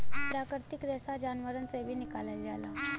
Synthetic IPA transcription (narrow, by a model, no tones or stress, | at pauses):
pɾakəɾt̪ikd̪ɛsad͡ʑanʋəɾənt͡seʋiːnikalald͡zala